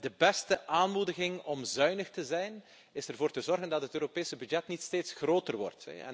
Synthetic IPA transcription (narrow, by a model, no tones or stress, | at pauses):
dəbɛstəʔaːnmudəɣɪŋɔmzœɥnəxtəzɛjn | ɪsɛrvoːrtəzɔrɣəndɑtɦətøːɾopeːsəbyd͡ʒɛtnitsteːtsxroːtərʋɔ̰rtɛ̰